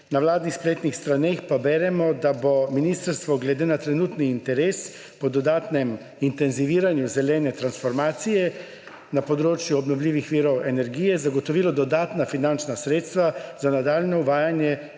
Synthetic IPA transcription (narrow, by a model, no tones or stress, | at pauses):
nawlaːd̪nixspleːt̪nixst̪ɾanexpabɛːɾɛmɔd̪abominiːst̪əɾst̪ʋɔɡlɛd̪eːnat̪ɾɛnuːt̪niːnt̪ɛɾeːs | pɔd̪ɔd̪aːt̪nɛm | int̪ɛnziʋiːɾanjuzɛlɛːnɛt̪ɾansfɔɾmaːt̪sijɛ | napɔd̪ɾoːt͡ʃjuɔbnɔwlʲiːʋixʋiːɾɔwɛnɛɾɡiːjɛzaɡɔt̪ɔʋiːlɔd̪ɔd̪aːt̪nafinant͡ʃnasɾeːt̪st̪ʋazanad̪aːljnɔuʋaːjanjɛ